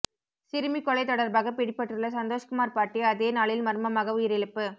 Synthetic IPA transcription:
sɪɾɯmikːɔɭɐɪt̪ɔɽɐɾbaːɣɐpɪɽɪpːɐʈːrɯɭːɐsɐnd̪oːʂkʊmaːɾpaːʈːiɐðeːnaːɭɪlmɐɾɯmɐmaːɣɐʋʊjɪɾɪɭɯpːɯ

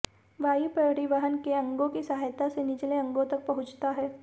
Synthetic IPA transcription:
ʋaːipɾɐɾɪʋəɦənkeɐ̃ŋɡõkisɐɦaːjt̪asenɪt͡ʃleɐ̃ŋɡõt̪ɐk̚pɐɦʊ̃t͡ʃt̪aɦɛː

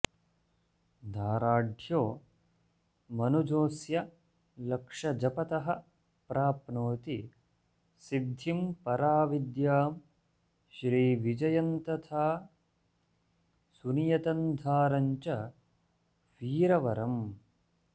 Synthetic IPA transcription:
d̪ʱaːɾaːɖʱjoː | mɐnud͡ʒoːsjɐ | lɐkʂɐd͡ʒɐpɐt̪ɐɦɐ | pɾaːpnoːt̪i | sid̪ʱimpɐɾaːʋid̪jaːm | ʃɾiːʋid͡ʒɐjɐnt̪ɐt̪ʰaː | sunijɐt̪ɐnd̪ʱaːɾɐɲt͡ʃɐ | ʋiːɾɐʋɐɾɐm

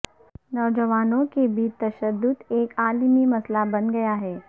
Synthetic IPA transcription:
nɔːd͡ʒəʋaːnõkebʱiːt͡ʃt̪ɐʃəd̪ːʊt̪eːkaːlmimɐslabɐnɡɐjaɦɛː

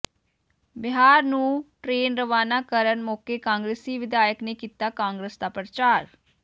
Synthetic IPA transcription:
bɪɦaːɾnũːʈɾeːnɾəʋaːnaːkəɾənmoːkeːkãːŋɡɾeːsiːʋɪd̪aːjəkneːkiːt̪aːkãːŋɡɾesd̪aːpɾət͡ʃaːɾ

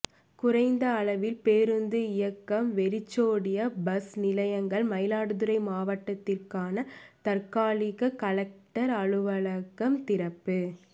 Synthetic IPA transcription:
kʊɾɐɪnd̪ɐːɭɐʋɪlpeːɾɯnd̪ɯɪjɐkːɐmʋɛɾɪt͡ʃːoːɽɪjɐbɐsnɪlɐjɐŋɡɐɭmɐjɪlaːɽɯðɯɾɐɪmaːʋɐʈːɐt̪ːɪrkaːnɐt̪ɐrkaːlɪɣɐkɐlɐk̚ʈɐɾɐɻɯʋɐɭɐkːɐmt̪ɪɾɐpːɯ

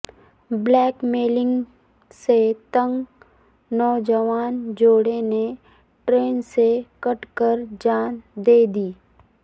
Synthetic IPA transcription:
blɛːkmeːlɪ̃ŋɡ | set̪ə̃ŋɡ | nɔːd͡ʒəʋaːnd͡ʒoːɽene | ʈɾeːnsekɐʈkəɾd͡ʒaːnd̪eːd̪iː

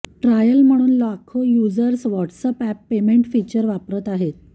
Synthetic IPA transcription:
ʈɾajəlm̤əɽ̃uːnlakʰojud͡zəɾsʋɔʈsəpæpːemeɳʈfit͡ɕəɾʋapɾət̪aɦet̪̚

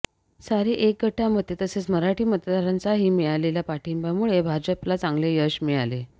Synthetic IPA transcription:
saɾeʔek̚ɡəʈʰam̤ət̪ːet̪əset͡sməɾaʈiːmət̪ad̪aɾant͡saɦiːmiɭaleljapaʈʰimbamuɭebʱad͡ʑəplat͡saŋɡlejəɕmiɭale

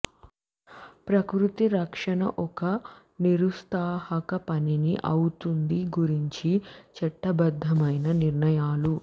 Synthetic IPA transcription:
pɾɐkɾut̪iɾɐkʂɐnɐʔɔkɐ | niɾust̪aːhɐkɐpɐniniʔɐwut̪und̪iɡuɾiɲt͡ʃit͡ʃɐɛʈːɐbɐd̪ʱːɐmɐjnɐniɾɳɐjaːlu

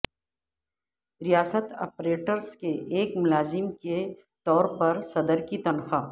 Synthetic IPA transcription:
ɾijaːsət̪ɔ̰ːpɾeːʈəɾskeʔeːkmʊlaːzɪmke | t̪ɔːɾpɐɾsɐd̪əɾkit̪ɐnxaː

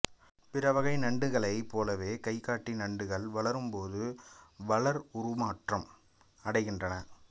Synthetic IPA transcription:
pɪɾɐʋɐɣɐɪnɐɳɖɯɣɐɭɐɪpːoːlɐʋeːkɐɪkːaːʈːinɐɳɖɯɣɐɭʋɐɭɐɾɯmpoːðɯʋɐɭɐɾʊɾʊmaːʈrɐm | ɐɽɐɪɣɪndrɐnɐ

